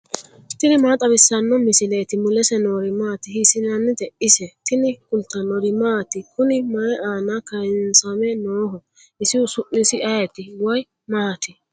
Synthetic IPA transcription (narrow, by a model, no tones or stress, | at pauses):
t̪ɪnɪmaːt̪ʼɐbɪsːɐnːɔmɪsɪleːt̪ɪmʊlɛsɛnoːɾɪmaːt̪ɪhisɪnɐnːɪd̪ɛʔɪsɛt̪ɪnɪkʊnt̪ːɐnɔɾɪmaːt̪ɪkʊnɪmɐɛʔaːnakɐjɪnsamɛnoːɦɔ | ɪsɪwʊsʊʔɪsɪɐjɛt̪ɪwɐj | mɐhɐt̪ɪ